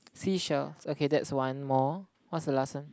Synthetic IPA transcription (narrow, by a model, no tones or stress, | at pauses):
siʃɛlsokʰedɛtswãnmɔ | wɔtsdəlasə̃n